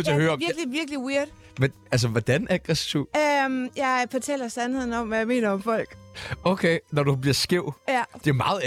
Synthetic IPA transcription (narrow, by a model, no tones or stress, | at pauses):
t͡se̝ɐhøːɐɒmʋiɐɡ̥liʋiɐɡ̥liweɐ̰d̥ | m | æls̬əʋɒd̥ænæɡ̥ʁɛsiʊ̰mjɑ̈ɪfɒt͡sʰɛ̰ːlɐsænhe̝ð̞̰ˠn̩ɒ̽m̰ʋæjɑ̈ɪme̝̰ːnɐɒ̽mfɒ̽l̰ɡ̥oʊkʰeɪnɒdub̥liɐsɡ̥e̝ʊ̰jæd̥e̝ɐmɑ̈ːð̩ˠ